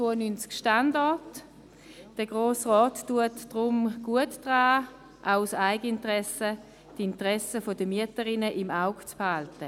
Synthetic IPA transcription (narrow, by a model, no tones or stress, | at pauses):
t͡soːɐnynt͡skʃtandɔɐt | d̥əɡ̥ʁoːsʁɔːtːuətd̥ʁʊmɡ̥uətd̥ʁaː | ʔaʊsaɪɡəɪntʁɛsə | d̥ɪntʁɛsəfodəmyətəʁɪnəʔɪmaʊɡt͡sphaltə